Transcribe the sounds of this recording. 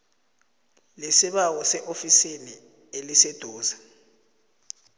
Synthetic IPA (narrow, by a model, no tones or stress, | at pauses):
lesiɓawɔsɛʔofisini | elised̥ʱɔːza